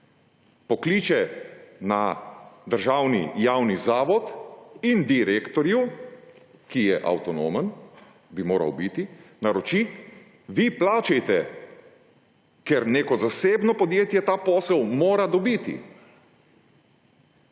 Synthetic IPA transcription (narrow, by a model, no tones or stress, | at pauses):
pɔkliːt͡ʃɛnad̪əɾʒaːwnḭjaːwnizaːʋɔt̪ind̪iɾeːkt̪ɔɾju | kijɛʔa̰wt̪ɔnoːmən | bimoːɾa̰wbit̪inaɾɔt͡ʃi | ʋiplaːt͡ʃɛjt̪ɛ | kɛɾneːkɔzaseːbnɔpɔd̪jeːt̪jɛt̪aːpoːsəwmoːɾad̪ɔbiːt̪ḭ